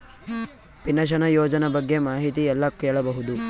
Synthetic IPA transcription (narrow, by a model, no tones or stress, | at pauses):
pinɐʃ̬ɐnɐjoːd͡ʒɐnɐbɐɡːemaːɦit̪iɛlːɐkːeːɭɐbɐɦud̪u